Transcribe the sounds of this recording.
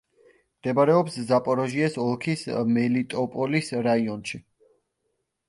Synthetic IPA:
md̪̥ɛbaɾɛɔpszapʼɔɾɔʒiɛsɔlˠkʰismɛlit̪ʼɔpʼɔlisɾaiɔnʃi

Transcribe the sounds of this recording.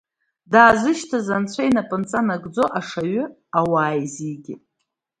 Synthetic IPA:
daːzɨʃtʰazant͡ɕʷʰajnapʼɨnt͡sʼanaɡd͡zo̞ʔaʂaɥʏ | awaːjziɡʲɪ

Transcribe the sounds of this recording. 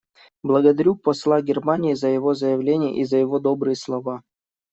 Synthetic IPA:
blˠəɡəd̪ɐɾʲupɐslˠaɡʲɪrmanʲɪːzəjɪvo̞zəjɪvlʲenʲɪjə̰ʔizəjɪvod̪obɾɨjəslˠɐva

